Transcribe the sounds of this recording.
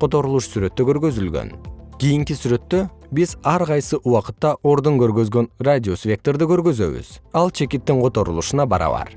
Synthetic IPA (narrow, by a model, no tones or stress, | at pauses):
qo̞t̪o̞ɾulˠuʃsyɾe̞t̪ːøkʲʰø̞ɾɡø̞zylɡʲø̰nkʲʰijɪŋkʲisyɾe̞t̪ːøbizɑɾqɑjsəʔuwɑqət̪ːɑʔo̞ɾd̪əŋkʲʰøɾɡø̞zɡø̞nradʲio̞svʲe̞k̚t̪o̞ɾd̪ɪkʲʰøɾɡø̞zø̞̰βɪ̰z̥ɑlˠt͡ʃʰe̞kʲɪt̪ːɪŋqʰo̞t̪o̞ɾulˠuʃənɑbɑɾɑ̰βɑ̰ɾ